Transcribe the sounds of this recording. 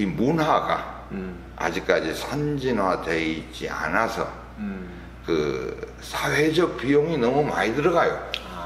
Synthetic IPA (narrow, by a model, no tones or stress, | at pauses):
imunɦaɡa̰ | a̰d͡ʑik̚k͈ad͡ʑisʰand͡ʑinwadeit͡ɕ͈ia̰nasʰʌ̰ | kɯ | sʰaɸed͡ʑʌk̚pʰijoŋinʌmuma̰idɯɾʌɡajo